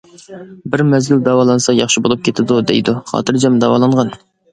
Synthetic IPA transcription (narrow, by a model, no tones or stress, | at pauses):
bɪɾmɛzɡʲyld̪ɑwɑːlˠɑnsɑjɑχʃibolˠup̚kʲʰet̪ʰɪd̪ud̪ḛjd̪uχɑ̰ːt̪ʰɨɾd͡ʒɑmd̪ɑwɑlˠɑɴʁɑn